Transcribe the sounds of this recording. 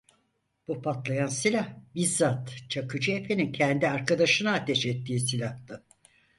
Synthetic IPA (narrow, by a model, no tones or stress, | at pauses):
b̥upʰat̪lˠajansilʲahbizat̪t͡ʃʰakɯd͡ʒɯefe̞nincʰɛnd̪iaɾkad̪aʃɯnaːt̪ʰɛʃɛt̪ːiːsilʲaht̪a